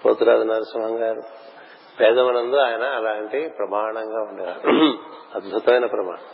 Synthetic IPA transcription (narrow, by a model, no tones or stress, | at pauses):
po̰ːt̪uɾaːd̪unɐɾusɐmɦɐŋɡaːɾu | bɛːd̪ɐmɐnɐnd̪oːaːjɐnɐːlaːɐɳʈeːpɾɐmaːɳɐŋɡaːuɳɖeːa | ɐd̪bʱɐt̪ɐʋɐjnɐpɾɐma̰ːɳɐm